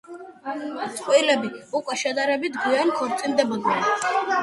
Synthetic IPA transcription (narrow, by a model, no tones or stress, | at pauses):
sʼqʼwilɛbiukʼwɛʃɛd̪aɾɛbit̪ɡiɛnkʰɔɾt̪sʼind̪ɛbɔd̪nɛn